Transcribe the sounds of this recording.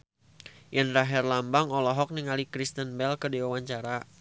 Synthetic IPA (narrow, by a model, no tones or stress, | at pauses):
janraɦɛrlambaŋɔlɔɦɔk̚niŋalikɾist̪ənbɛlkədiwawaɲt͡ʃaɾa